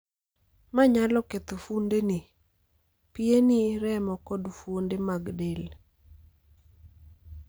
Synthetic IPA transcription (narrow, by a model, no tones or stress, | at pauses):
maɲalɔket̪ofundeni | pɪeniɾɛmɔkɔdfwondemaɡdel